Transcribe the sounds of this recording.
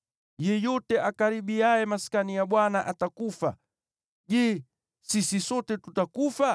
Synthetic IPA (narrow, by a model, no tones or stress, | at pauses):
jɛjɔtɛʔakaɾiɓiajɛmaskanijaɓwanaʔatakufa̰ | ʄɛː | sisisɔtɛtutakufa